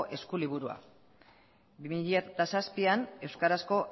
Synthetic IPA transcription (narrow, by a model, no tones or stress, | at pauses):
ʔe̞skuliβ̞uɾua̰ | bimiʎiat̪asaspiane̞wskaɾasko̞